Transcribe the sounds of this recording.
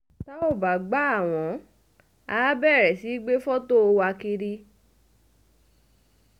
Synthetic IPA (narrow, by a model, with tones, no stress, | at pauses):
ta˦o˦˨ba˨ɡ͡ba˨˦a˦˨w̃ɔ̃˨˦ | a˦bɛ˦˨ɾɛ˨si˨˦ɡ͡be˦fɔ˦to˦˧wa˧ki˧ɾi˧